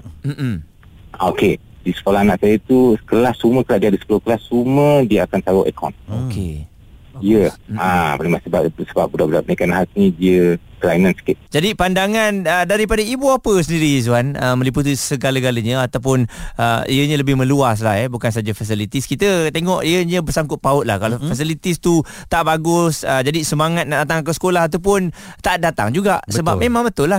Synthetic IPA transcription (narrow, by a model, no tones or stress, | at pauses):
m̩ʔm̩ | oke | disə̥kolaanaʔsajət̪ukəlahsumə̃kəlaʔdiəadəsə̥kolokəlasumədiəakant̪aʊʔɛkʰɔ̰nokʰḛ | oiəapənemaʔsəbap̚səbaʔp̚budaʔbudaʔpənaikanaɦatnĩdiə | kəlainãnsə̥kɪt̪̚d͡ʒadipandaŋanədaɾipadaibuapəs̬əndiɾiz̬uanəmə̃liput̪̬isəɡaləɡaləɲə̃at̪awp̬ʊnəḭəɲələbɪhmə̃luas̬laɦɛbukansad͡ʒafas̬ilit̪iskit̪ət̪eŋɔʔiəɲə̃bərsaŋkʊt̪̚paʊt̪̚la̰hkalofas̬ilit̪ist̪u | t̪aʔbaɡʊsəd͡ʒadisəmaŋat̪̚naʔdat̪aŋakəsə̥kolaɦat̪̬awp̬ʊn | t̪aʔt̪̚dat̪a̰ŋd͡ʒuɡaʔsəbamẽmãŋbət̪ʊlːah